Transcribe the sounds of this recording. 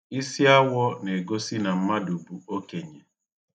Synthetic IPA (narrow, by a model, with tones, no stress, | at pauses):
i˦si˦a˦wɔ˦ne˨ɡo˦si˦na˨m̩˦ma˦du˨bu˨o˦ke˨ɲe˨